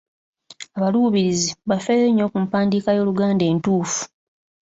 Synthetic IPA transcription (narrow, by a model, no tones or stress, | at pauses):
aβaluːβiɾiziβafeleɲːo̞kumpaːndiːkajo̞ːluɡaːnde̞ːntuːfu̥